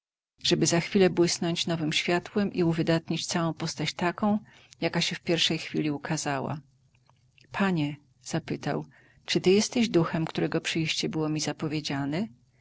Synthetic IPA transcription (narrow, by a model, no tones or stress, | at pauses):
ʐ̥ɛbɘzaxfʲilɛbwɘsnɔɲt͡ɕnɔvɘmɕfʲjat̪wɛmʔiuvɘd̪at̪ɲit͡ɕt̪sawɔ̃w̃pɔst̪at͡ɕt̪akɔ̃w̃ | jakaɕɛfpʲjɛɾfʂɛjxfʲilʲiukʰazawa̰ | pʰaɲɛ | z̥apɘt̪a̰w | t͡ʂɘt̪ɘjɛst̪ɛʑd̪uxɛmkt̪uɾɛɡɔpʂɘjɕt͡ɕɛbɘwɔmʲizapɔvʲjed͡ʑanɛ